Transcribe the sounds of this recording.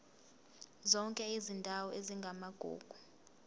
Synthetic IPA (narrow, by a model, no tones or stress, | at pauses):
zɔŋkʼɛizindʱawɔeziŋɡʱamaɡ̥ʱṵːɡ̥ʱu